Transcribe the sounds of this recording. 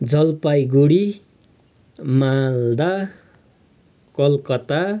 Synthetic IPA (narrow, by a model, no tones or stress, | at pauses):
d͡zʌlpajɡuɽi | mald̪a | kʌlkʌt̪a